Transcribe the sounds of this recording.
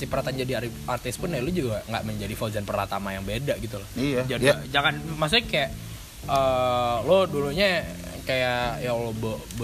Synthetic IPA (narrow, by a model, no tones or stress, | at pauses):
sipəɾat̪and͡ʒadiar | art̪ɪspʊnalʊd͡ʒuɡaŋɡa̰ʔməɲd͡ʒadifaozanpərat̪amajaŋbedaʔɡit̪ulɔhijad͡ʒadid͡ʒaŋanmas̬ʊkajaʔ | əlʊduluɲa | kajajalobə | b